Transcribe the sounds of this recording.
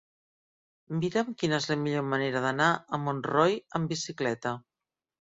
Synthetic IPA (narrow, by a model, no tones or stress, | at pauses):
miɾəmkinəezləmiʎoməneɾəðənaəmonrojəmbisiklɛt̪ə